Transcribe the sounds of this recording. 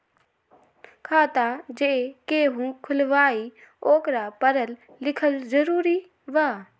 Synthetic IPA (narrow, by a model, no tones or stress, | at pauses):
kʰaːt̪ad͡ʒekeːɦũːkʰʊlʋaːi | oːkɾapəɾəlː | ɪkʰəlzəɾuːɾi | ʋaː